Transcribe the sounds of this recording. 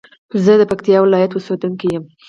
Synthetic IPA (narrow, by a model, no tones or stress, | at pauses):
zəd̪əpakt̪ijɑwɪlɑjat̪wəsɑt̪uŋkijəm